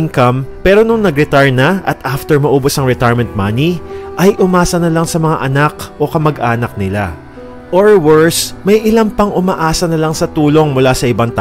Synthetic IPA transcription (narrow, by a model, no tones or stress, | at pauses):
ŋkɐmpɛːɾo̞nʊŋnɐɡɾɛt̪aɹnɐʔɐt̪ʔaft̪ɛɹmɐʔoːbosɐŋɾɹɛt̪ajɹmɛnt̪̚maniʔɐjʔʊmaːsɐnɐlaŋsɐmɐŋaʔɐnakʔo̞kɐmɐɡʔaːnɐk̚nɪla | ʔoɹwɛɹsmɐjʔɪlampɐŋʊmɐʔaːsɐnɐlaŋsɐt̪uːlo̞ŋmʊlasɐʔɪbaŋt̪aː